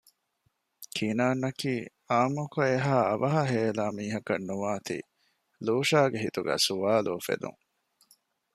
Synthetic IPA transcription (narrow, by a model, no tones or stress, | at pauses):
kʰinaːnːɐkiː | aːmukoeɦaːɐʋɐɦɐɦeːlaːmiːɦɐkɐnːuʋaːt̪ḭː | luːʃaːɡeɦit̪uɡæ̰ːsuʋaːlufḛd̪ṵŋ